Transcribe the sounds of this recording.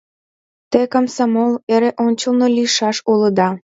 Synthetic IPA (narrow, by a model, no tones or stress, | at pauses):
t̪ekɑmsɑmoleɾeʔonʲt͡ɕəlnoliʃɑʃuləd̪ɑ